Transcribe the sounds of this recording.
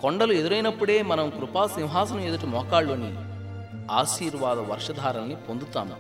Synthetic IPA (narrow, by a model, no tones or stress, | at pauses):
koɳɖɐlue̞d̪uɾɐjnɐpːuɽe̞ːmɐnɐmkɾupaːsiwɦaːsɐnueːd̪uʈɐmɔːkaːɭːoːnḭ | aːʃiːɾʋaːd̪ɐʋɐɾʂɐd̪ʱaːɾɐnːipond̪ut̪a̰ːmu